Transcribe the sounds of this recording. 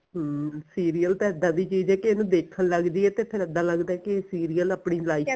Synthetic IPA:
ɦsiːɾiːəlt̪aːəd̪ːãːd̪iːt͡ʃiːd͡ʒɛːkenũːd̪eːkʰələɡd̪iːɛːt̪eːpʰɪɾəd̪ːãːləɡd̪aɛːkeeːsiːɾijələːpɳiːlaːiː

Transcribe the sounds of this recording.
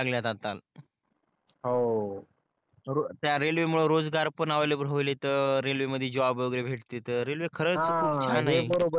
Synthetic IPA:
laɡljat̪at̪al | ɦo | ɾot̪jaɾelʋemuɭoɾod͡zɡaɾpənaʋajlebɾəlet̪əɾelʋeməd̪ʱːjed͡ʑoʋabjoɡɾebʱeʈt̪et̪əɾelʋekʰəɾəːt͡skʰuːanaɦibəɾobə

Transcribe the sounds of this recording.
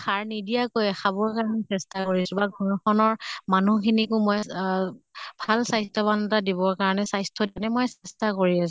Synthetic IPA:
xʰaɹnidijakojxabɔɹkaɹɔnɛsɛstakoɹiasũbaɡʱɔɹɔxʰɔnɔɹmanukʰinikʊmɔj | bʱalsajstʰɔbantadibɔɹkaɹɔnɛsajstʰɔdnɛmojsɛstakoɹias

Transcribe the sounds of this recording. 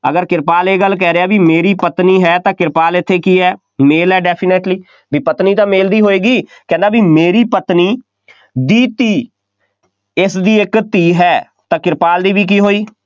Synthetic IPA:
ə̰ɡəɾkɪɾpaːleːɡəlːk̬ɛːɾeːaːbiːmeːɾiːpət̪niːɦɛːt̪ãːkɪɾpaːlɪt̪ʰːeːkiːɦɛː | meːlɛːɖɛːpʰɪneʈliː | biːpət̪niːt̪ãːmeːld̪iːɦoːeːɡiːkɛ̃ːnd̪aːbiːmeːɾiːpət̪niː | d̪iːt̪iː | ɪsd̪iːɪkt̪iːɦɛː | t̪ãːkɪɾpaːld̪iːbiːk̬iːɦoːiː

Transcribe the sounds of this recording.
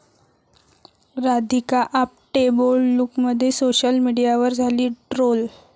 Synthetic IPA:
ɾad̪ʱikaʔap̚ʈebolːukməd̪ʱːjesoɕəlmiɽijaʋəɾd͡zʱaliːʈɾol

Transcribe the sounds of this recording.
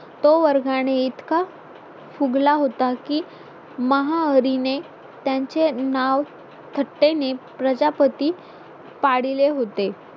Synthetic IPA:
t̪oʋəɾɡaɽ̃eit̪ka | fuɡlaɦot̪akiː | məɦaəɾine | t̪jaɲt͡ɕenaʋ | t̪ʰəʈːenepɾəd͡ʑapət̪iː | paɽileɦot̪e

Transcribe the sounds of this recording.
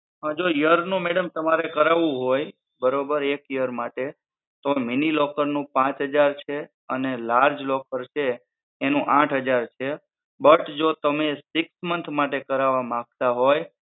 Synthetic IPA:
ɦãd͡ʒojəɾnũmeɽəmt̪əmaɾekəɾaʋũɦoj | bəɾobəɾekjəɾmaʈe | t̪ominilɔkəɾnũpãt͡ʃɦəd͡ʒaɾt͡ʃʰe | ənelaɾd͡ʒlɔkəɾt͡ʃʰeː | nũʔãʈʰɦəd͡ʒaɾt͡ʃʰe | bəʈd͡ʒot̪əmesɪksmənt̪ʰmaʈekəɾaʋamãk̚t̪aɦoj

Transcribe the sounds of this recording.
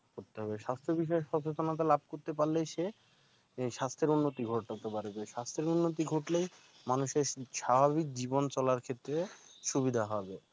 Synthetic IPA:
koɾt̪eɦɔbeʃast̪ʰɾebiʃɔeʃɔt͡ɕot͡ɕonat̪̬elab̚ʱkoɾt̪epaɾlejʃe | ʃast̪ʰɾeɾunːot̪iɡʱoʈ̚t̪ak̚t̪epaɾibeʃast̪ʰɾeɾunːot̪̬iɡʱoʈlej | manuʃeɾʃabʱaβik̚d͡ʑibont͡ɕɔlaɾkʰet̪ːɾeʃubid̪ʱaɦɔbe

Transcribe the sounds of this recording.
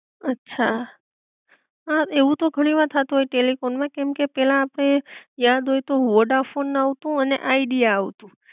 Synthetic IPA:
ətːʃʰa | ɦaeʋũt̪oɡʱəɽ̃iʋaɾt̪ʰat̪uɦojʈelifonmãkɛmkepɛlãːpɽ̃ejad̪ʱɦojt̪oʋoɖafonːaʋt̪ũənḛʔaiɖijaːʋt̪ũ

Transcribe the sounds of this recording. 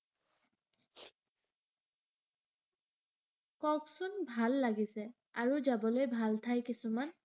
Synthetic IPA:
kɔksunbʱalːaɡisɛ | aɹuzabɔlojbʱaltʰajkisuman

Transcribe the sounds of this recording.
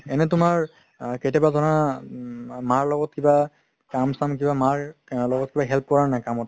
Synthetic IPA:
ɛnɛtʊmaɹ | ketɛbazʱɔɹɔna | maɹlɔɡɔtkiba | kamsamk̬ibamaɹlɔɡɔt̚kibaɦɛlp̚kɔɹanajkamɔt

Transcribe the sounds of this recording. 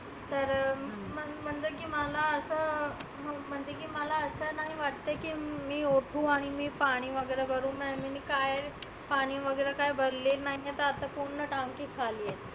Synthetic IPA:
t̪əɾməm̤əɳd͡zəkiːməlaəsə | məm̤əɳd͡ʑekiːməlaəsənaɦiʋaʈt̪ajkiːmiːoʈʰũːaɽ̃imiːpaɽ̃iːʋəɡəɾəbəɾũːmɛminikajɾ | paɽ̃iːʋəɡəɾəkajbʱəɾlelnaɦiet̪əat̪akoɳːəʈaŋkikʰaliːjet̪

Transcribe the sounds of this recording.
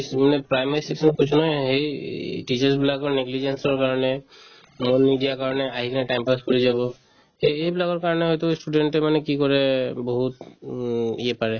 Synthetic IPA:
smanɛpɹajmaɹiseksɔnkot͡ʃʰunɔɦɦejʈit͡ʃaɹsbilaɡɔɹneɡlid͡ʒensɔɹkaɹɔnɛ | monmiɖijakaɹɔnɛaɦikʰanɛʈajmpaskɔɹizabɔ | hejejbilaɡɔɹkaɹɔnɛɦɔjt̪ʊsʈuɖenʈɛmanɛkikɔɹɛbɔɦut̪ | iɛpaɹɛ

